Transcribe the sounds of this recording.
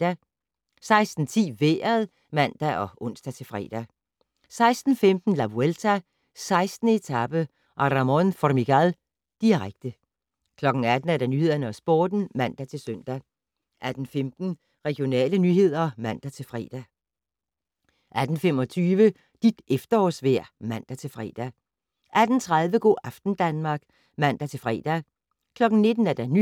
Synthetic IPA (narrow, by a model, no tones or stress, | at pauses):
d̥æ | sɑ̈ɪsd̥n̩t͡sʰḭːʋeːɐðˠ | mæn̰d̥æʔɒ̽ʔɔ̽n̰sd̥æt͡sʰe̝fʁɛ̰ːd̥æ | sɑ̈ɪsd̥n̩femd̥n̩læbuelt͡sʰæ | sɑ̈ɪsd̥n̩e̝t͡sʰɑb̥ə | ʔɑɾɑmɔnfɒrmiɡ̥æl | d̥iʁaɡ̥̚d̥ə | kʰlɒ̽ɡ̥n̩æd̥n̩æɐd̥ænyhe̝ð̞̰ˠɐnəɒ̽sb̥oːd̥n̩mæn̰d̥æt͡sʰe̝lsøn̰d̥æ | ʔæd̥n̩femd̥n̩ | ʁɛɡ̥jo̝nɛ̰ːlənyɦe̝ð̞̰ˠɐmæn̰d̥æt͡sʰe̝lfʁɛ̰ːd̥æ | ʔæd̥n̩femɒ̽t͡sʰyːʋə | d̥id̥efd̥ɐɒ̰sʋæɐ̰mæn̰d̥æt͡sʰe̝lfʁɛ̰ːd̥æ | ʔæd̥n̩t͡sʰʁaðˠʋəɡ̥o̰ːʔɑfd̥n̩d̥ænmɑ̈ːɡ̥ | mæn̰d̥æt͡sʰe̝lfʁɛ̰ːd̥æ | kʰlɒ̽ɡ̥n̩ne̝d̥n̩æɐd̥æny